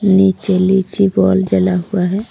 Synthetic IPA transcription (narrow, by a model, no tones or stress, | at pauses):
nit͡ʃelit͡ʃibɔld͡ʒəlaɦuaɦɛː